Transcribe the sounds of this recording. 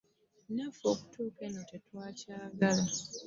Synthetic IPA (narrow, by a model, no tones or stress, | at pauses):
nafoku̥tʰuːkenotetwaːcaːɡala